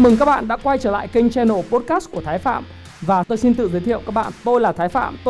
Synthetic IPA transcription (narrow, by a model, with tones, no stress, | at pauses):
mɨ˨˩ŋkaː˦˥k̚ɓa̰ː˧˨nɗa̰ː˧˥kwa˧jt͡ɕəː˧˩la̰ː˧˨jkï˧ŋ̟t͡ɕɛ˧no˨˧˩po˦˥t̚kaː˦˥sku˧˩ət̪ʰaː˨˦jfa̰ː˧˨m | vaː˨˩t̪o˧jsi˧nt̪ɨ̰˧˨zːjt̪ʰḭ˧˨əwkaː˦˥k̚ɓa̰ː˧˨nt̪o˧jlaː˨˩t̪ʰaː˨˦jfa̰ː˧˨mt̪